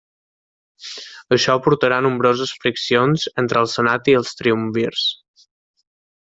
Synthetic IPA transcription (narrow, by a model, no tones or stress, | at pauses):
əʃɔpuɾt̪əɾanumbɾozəsfɾiksionzent̪ɾəːlˠsənat̪iəlˠst̪ɾiuɱbirs